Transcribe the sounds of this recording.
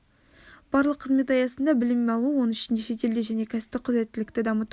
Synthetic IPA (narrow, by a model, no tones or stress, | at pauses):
b̥ɑɾlˠəqʰːəzme̞t̪ɑjɑsənd̪ɑbɪlɪmeɑlˠuəwo̞nʏʃɪnd̪eʃe̞t̪e̞ld̪eʒæne̞kʲʰæsɪ̥p̚t̪ɪqʰʊzɾe̞t̪ːɪlɪkt̪ɪd̪ɑmət̪